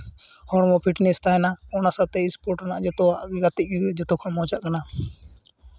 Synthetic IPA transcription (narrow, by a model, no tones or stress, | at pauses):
hɔɽ̃mɔpʰiʈnɛst̪aɛnaɔnasat̪ɛispɔɾʈanaʔd͡ʒɛt̪ɔwaʔɡat̪iʔ̚d̪uɛd͡ʒɛt̪ɔkʰɔmɔt͡ʃaʔkana